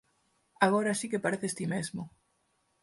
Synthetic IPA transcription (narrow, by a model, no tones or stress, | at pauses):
aɣoɾasikepaɾeθest̪imezmʊ